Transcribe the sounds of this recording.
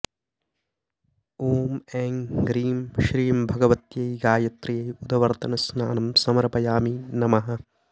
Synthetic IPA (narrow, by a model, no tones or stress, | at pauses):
oːmɛːŋɡɾiːmʃɾiːɐmbʱɐɡɐʋɐt̪jɐjɡaːjɐt̪ɾijɐjud̪ɐʋɐɾt̪ɐnɐsnaːnɐmsɐmɐɾɐpɐjaːminɐmɐɦɐ̆